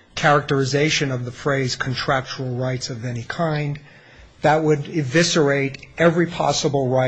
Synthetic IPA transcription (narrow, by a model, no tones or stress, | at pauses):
kʰɛɹɨk̚tə˞ɨzeɪʃɨ̃nʌvðəfɹeɪz̥kʰntʰɹ̥æk̚t͡ʃə˞l̩ˠɹaɪtsʌvɛnikʰãɪ̃n | ðət̚wəɾɪvɪsə˞eɪɾɛvɹipʰɑ̰səbl̩ˠɹaɪ